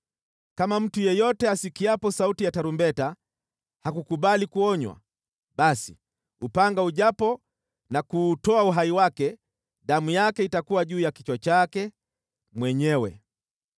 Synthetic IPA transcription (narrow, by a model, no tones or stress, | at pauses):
kamam̩tujɛjɔtɛasikiapɔsautijataɾumbɛta | hakukuɓalikuɔɲwa̰ | ɓasḭ | upaŋɡauʄapɔ | nakuːtɔauɦaiwakɛ | ɗamujakɛitakuwaʄuːjakit͡ʃwat͡ʃakɛ | mwɛɲɛwɛ̰